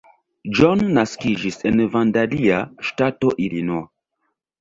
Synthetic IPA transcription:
d͡ʒonːaskid͡ʒise̞nvandaliaʃtato̞ʔilinoa

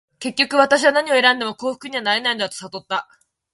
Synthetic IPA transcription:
ke̞kʲːo̞kɯ̟βat̪aɕ̬iβanaɲ̟io̞e̞ɾãnd̪e̞mo̞ko̞ːɸɯ̟̥kɯ̟ɲ̟iβ̞anaɾe̞naind̪at̪o̞sat̪o̞t̪ːa

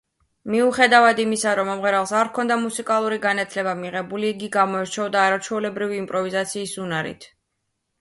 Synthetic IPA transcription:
miuχɛd̪avad̪imisaɾɔmamʁɛɾalˠsaɾkʰɔnd̪amusikʼalˠuɾiɡanat̪ʰlɛbamiʁɛbuliːɡiɡamɔɛɾt͡ʃʰɛɔd̪aːɾat͡ʃʰwɛulɛbɾiviːmpʼɾɔvizat̪sʰiːsunaɾḭt̪ʰ

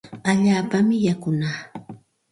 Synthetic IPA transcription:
aʎaːpamɪjakʊnaː

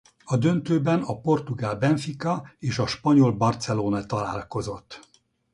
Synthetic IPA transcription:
ɒd̪ø̞nt̪øːbɛnɒpo̞rt̪uɡaːlbɛɱfikɒeːʃɒʃpɒɲo̞lbɒrt̪sɛloːnɒt̪ɒla̰ːlko̞zo̞t̪ː

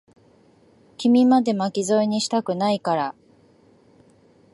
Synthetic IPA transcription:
kʲimʲimad̪e̞makʲizo̞iɲ̟iɕi̥t̪akɯ̟naikaɾa

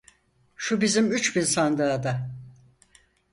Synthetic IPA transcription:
ʃubizimyt͡ʃbinsand̪aːd̪a

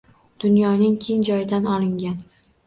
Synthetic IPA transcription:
d̪̥ʊnjɒnɪŋkʲʰeŋd͡ʒɒjɪd̪anɒlˠɪŋɡʲan

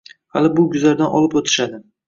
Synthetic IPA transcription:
ha̰lɪbʊɡʊzlaɾd̪anɒ̰lˠɪpot̪ʰɪ̥ʃad̪ɪ

